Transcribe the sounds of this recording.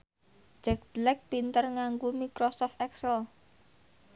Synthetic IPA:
d͡ʒɛk̚b̥lɛk̚pint̪ərŋaŋɡumikɾɔsɔft̪ɛksəl

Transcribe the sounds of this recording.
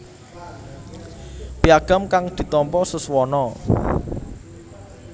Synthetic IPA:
piaɡ̥a̤mkaŋd̪̥i̤t̪ɔmpɔsəswɔnɔ

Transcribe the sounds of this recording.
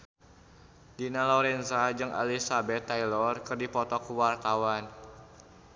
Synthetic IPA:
dinalɔɾɛnsad͡ʒɨŋʔa̰lisabɛt̪ːajlɔrkərdipɔt̪ɔkuwart̪awan

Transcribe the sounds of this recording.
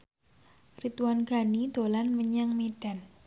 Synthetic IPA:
rit̪uwanɡ̥a̤nid̪̥o̤lanməɲaŋmeɖ̥a̤n

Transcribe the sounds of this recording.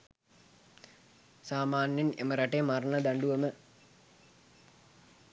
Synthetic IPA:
saːmaːnjenḛməɾaʈejmarnəd̪aɳɖuʋəmə

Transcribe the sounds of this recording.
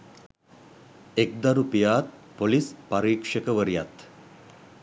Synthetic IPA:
ek̚d̪aɾupijaːt̪̚polispaɾiːkʂəkəʋəɾijat̪

